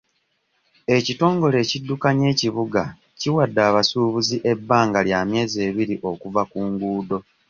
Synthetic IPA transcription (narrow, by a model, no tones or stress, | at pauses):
e̞cito̞ːŋɡo̞le̞ːcidːukaɲe̞ːciβuɡa | ciwadːaːβasuːβuziʔe̞bːaːŋɡaljaːmje̞ːze̞ːβiɾiʔo̞kuvakuːŋɡuːdo̞